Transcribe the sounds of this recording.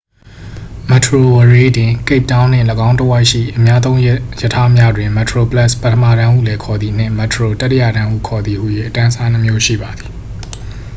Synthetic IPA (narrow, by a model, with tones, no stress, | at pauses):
mɛ˨tʰɹo˨wəɹe˦dɪ̃˨ke˦ɪp̚tã˦ʊ̃n̥ɪ̰̃˦˨ləɡã˦ʊ̃tə˦wa˦ɪʔʃḭ˦˨ʔəmja˦d̪̬ðõ˦ʊ̃jjə˨tʰa˦mja˦˨dwɪ̃˨mɛ˨tʰɹo˨pla˦˨spə˦tʰəmä̰˦˨ɾã˦ʔṵ˦˨lɛ˨kʰɔ˨d̪ði˨n̥ɪ̰̃˦˨mɛ˨tʰəɹo˨ta˦tːɪ˨ja̰˨ɾã˦ʔṵ˦˨kʰɔ˨d̪i˨hṵ˦˨je˦˨ʔətã˦sa˦nə˦mjo˦ʃḭ˦˨ba˨d̪i˨